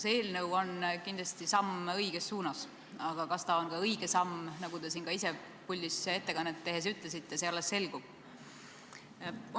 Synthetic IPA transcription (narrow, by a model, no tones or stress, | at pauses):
seeːlnɤwo̞nkind̪lɑst̪isɑmɤjɡ̥e̞sːuːnɑs | ɑɡ̥ɑkɑst̪ɑonkɑɤjɡ̥e̞sɑmnɑɡ̥ud̪e̞siːnɡ̥ɑise̞ | pulʲd̪ise̞t̪ːe̞kɑnːet̪ːe̞ɦe̞s̬yt̪ˑles̬it̪ːe̞se̞ɑlːesːe̞lɡ̥ub̥̚